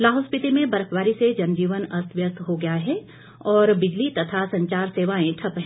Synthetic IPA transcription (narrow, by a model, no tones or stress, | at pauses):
laːɦʊspɪt̪imẽbɐɾəpʰʋaːɾised͡ʒɐnd͡ʒiːʋənɐst̪ʋjəst̪ɦoɡɐjaɦɛ | ɔːɾbɪd͡ʒlit̪ɐt̪ʰasɐ̃ɲt͡ʃaːɾseːʋaːẽʈʰɐpɦ